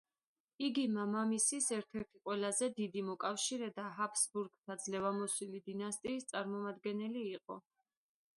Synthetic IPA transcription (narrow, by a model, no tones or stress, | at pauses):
iɡimamamisisɛɾt̪ʰɛɾt̪ʰiqʼwɛlazɛd̪id̪imɔkʼafʃiɾɛd̪aɦapʰsbuɾɡt̪ʰad̪zlɛvamɔsilid̪inast̪ʼiːst̪sʼaɾmɔmad̪ɡɛnɛliːqʼɔ̰